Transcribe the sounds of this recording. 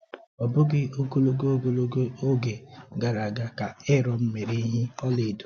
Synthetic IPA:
ɔ˨bʊ˦ɡɪ˦o˦ko˦lo˦ɡo˦o˦ɡo˦lo˦ɡo˦o˦ɡe˨ɡa˨ɾa˨ɡa˦ka˨ɪ˦ɾɔ˨m̩˦me˨ɾe˦ɦɪ˦ɔ˦lɪ˨du̥˨

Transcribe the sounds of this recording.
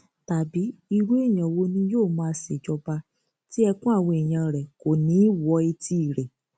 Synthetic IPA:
ta˨bi˨˦i˧ɾu˦e˦˨j̃ã˨wo˧˦nĩ˧joː˦˨mãː˧˦sɛ˨d͡ʒɔ˧ba˧ | ti˦ɛ˧kũ˦a˦˨wɔ̃˧i˨j̃ã˧ɾɛ˨ko˨nĩ˨˦wɔ˨˧˦i˧ti˧˨ɾɛ˨

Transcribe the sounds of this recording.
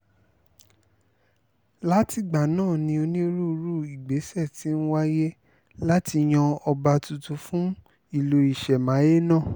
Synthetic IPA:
la˦ti˨ɡ͡ba˨nãː˦˨nĩ˧o˧nĩ˦ɾu˦˧ɾu˦˨i˨ɡ͡be˨˦sɛ˦˨ti˨˦n̩˦wa˦je˦ | la˦ti˧j̃ã˧ɔ˧ba˧tu˨tu˧˦fũ˦ | i˦˨lo˧i˨ʃɛ˨mã˨˦je˦nãː˦˨

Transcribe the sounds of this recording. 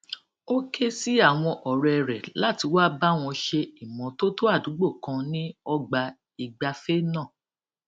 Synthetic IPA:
o˦ke˦si˦a˦˨w̃ɔ̃˧ʔɔ˨ɾɛ˧˨ɛ˧˨ɾɛ˨la˦˨ti˧˦wa˦ba˦w̃ɔ̃˧ʃe˧i˨mɔ̃˨to˦to˦a˦˨dũ˨˦ɡ͡bo˦˨kã˧nĩ˦ɔ˧ɡ͡ba˧ | i˨ɡ͡ba˧fe˦nã˦˨

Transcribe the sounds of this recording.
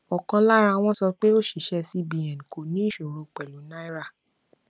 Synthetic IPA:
ɔ˨kã˧la˦ɾa˧w̃ɔ̃˦sɔ˧k͡pe˦o˦˨ʃi˨ʃɛ˧si˦bi˨ɛ̃˨n˨ko˨nĩ˦i˦ʃo˨ɾo˨k͡pɛ˨lu˨˦nã˦i˦ɾa˦˨

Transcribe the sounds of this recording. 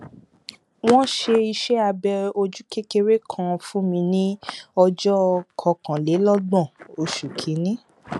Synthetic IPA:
w̃ɔ̃˦ʃe˧i˧ʃɛ˦a˧bɛ˧o˧d͡ʒu˦ke˦ke˧ɾe˦kʰã˦fũ˦mĩ˧nĩ˦ɔ˧d͡ʒɔ˦˧kʰɔ˧kã˨le˨˦lɔ˦ɡ͡bɔ̃˦˨o˧ʃu˨kʰi˨˦nĩ˦

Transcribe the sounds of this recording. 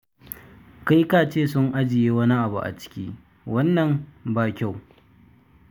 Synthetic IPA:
ka˦jkaː˦˨t͡ʃeː˦˨sʊ˦ŋʔa˦d͡ʒɪ˨jeː˦wɐ˦ni˦ʔa˨bṵ˨ʔa̰˨t͡ʃɪ̥˦kʲiː˦ | wɐ˦nːɐ˨mbaː˦kʲa˦˨w

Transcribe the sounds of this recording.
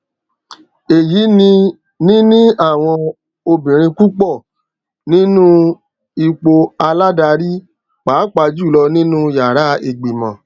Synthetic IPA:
e˨ji˨˦nĩ˧ | nĩ˦nĩ˦a˦˨w̃ɔ̃˧ | o˧bĩ˨ɾ̃ĩ˧ku˦k͡pɔ˦˨ | nĩ˦nũ˦ | i˧k͡po˧a˧la˦da˧ɾi˦ | k͡paː˨˦k͡pa˧d͡ʒu˦˨lɔ˧nĩ˦nũ˦ja˨ɾa˨˦e˧˨ɡ͡bi˨mã̰˨

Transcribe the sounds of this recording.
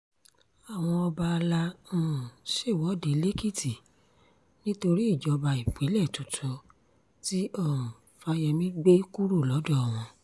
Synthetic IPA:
a˨w̃ɔ̃˧ɔ˧ba˧la˧ũ˨ũ˨ʃe˦˨wɔ˨˦de˨˦le˦ki˦˨ti˨ | nĩ˦to˧ɾi˦i˦˨d͡ʒɔ˨˦ba˧i˨k͡pe˨˦lɛ˦˨tu˨tʰɔ˧˦ | ti˦ɔ˦˨ũ˨ | fa˧˦jɛ˧mĩ˦ɡ͡be˦ku˦ɾu˦˨lɔ˨˦dɔ˦˨w̃ɔ̃˧

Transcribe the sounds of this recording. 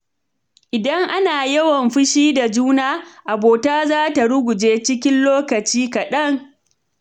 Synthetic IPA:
ʔɪ˨dɐ˦ŋʔa˦naː˨jɐ˦wɐ˨mɸɪ˦ʃiː˦da˨d͡ʒuː˦naː˦ʔa˨boː˨taː˦zaː˦ta˨ɽʊ˦ɡʷʊ˨d͡ʒeː˦t͡ʃɪ˦k̬ʲɪ˦nloː˦kɐ˨t͡ʃiː˦kɐ˨ɗɐ˦ŋ

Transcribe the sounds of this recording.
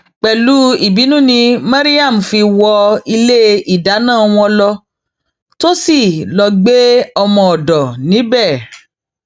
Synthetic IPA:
k͡pɛ˨lu˨˦i˦˨bi˨˦nũ˦˨nĩ˧mã˦ɾi˦a˦˨m̩˨fi˧wɔ˧i˧le˦i˨da˨˦nãː˦˨˧w̃ɔ̃˧lɔ˧ | to˦si˦˨lɔ˧ɡ͡be˦ɔ˧mɔ̃˧ɔ˨dɔ˨nĩ˨˦bɛ˦˨

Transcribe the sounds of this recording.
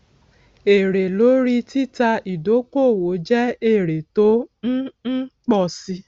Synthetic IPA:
e˨ɾe˨lo˨˦ɾi˧ti˦ta˧i˨do˨˦ko˦˨wo˨˦d͡ʒɛ˦e˦˨ɾe˨to˦n̩˦n̩˦k͡pɔ˦˨si˧˦

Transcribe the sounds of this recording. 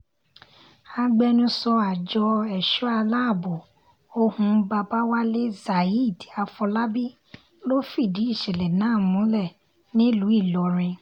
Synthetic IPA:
a˧ɡ͡bɛ˧nũ˧sɔ˧a˨d͡ʒɔ˧ɛ˨ʃu˦a˧la˦˨bo˨ | o˦hũ˧ba˧ba˦wa˦le˦za˨i˦i˦˨ti˨a˧fɔ˧la˦bi˦ | lo˦fi˦˨di˨˦i˦˨ʃɛ˨lɛ˨nãː˨˦˨mũ˨˦lɛ˦˨ | nĩ˦lu˨˦i˦˨lɔ˨˦ɾ̃ĩ˧

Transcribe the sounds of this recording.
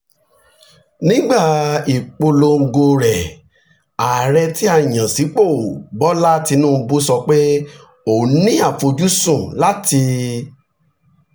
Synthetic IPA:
nĩ˦ɡ͡ba˦˨i˨k͡po˧lo˧ŋ̩˦˧ɡo˧ɾɛ˨ | a˨ɾɛ˧ti˦ã˦˨ã˨si˨˦k͡po˦˨bɔ˦la˦ti˧nũː˦˧bu˦sɔ˧k͡pe˦ | o˨nĩ˦a˦˨fo˧d͡ʒu˦sũ˦˨la˦ti˧

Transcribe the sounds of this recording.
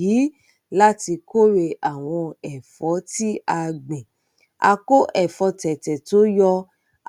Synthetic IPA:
i˨˦ | la˦ti˧ko˦ɾe˧ʔa˨w̃ɔ̃˧ɛ˨fɔ˨˦ti˦a˧ɡ͡bẽ˨ | a̰˧ko˦ʔɛ˨fɔ˧tɛ˨tɛ˨to˦jɔ˧

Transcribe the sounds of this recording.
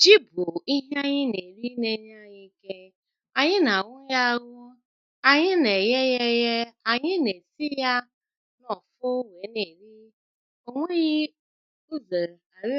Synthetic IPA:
d͡ʒi˦bʊ˨i˦ɦa˦ɲɪ˦ne˨ɾi˦ne˦n˦a˦ɲɪ˦ke˦ | a˨ɲɪ˦na˨ŋʊ˦ja˦ɣʊ˦ | a˨ɲɪ˦ne˨je˦je˦je˦a˨ɲɪ˦ne˨si˦ja˦ | nɔ˨fʊ˦wʷe˨˦ne˨ɾi˦ | o˦ŋʷe˦ɣi˦ | u˦ze˨a˨ɾ

